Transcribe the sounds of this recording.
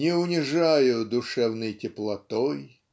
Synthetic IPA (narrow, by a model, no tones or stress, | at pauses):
nʲɪʊnʲɪʐajʊd̪ʊʂɛvnɨjtʲɪplˠɐt̪ɔj